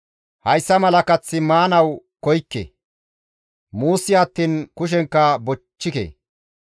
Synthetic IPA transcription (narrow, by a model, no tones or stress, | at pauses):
hɐjsːɐmɐlɐkɐt͡sːɪmaːnɐwkɔjkːḛ | muːsːɪɐt̪ːiːnkʊʃ̬ɛŋkːɐbɔt͡ʃːɪkḛː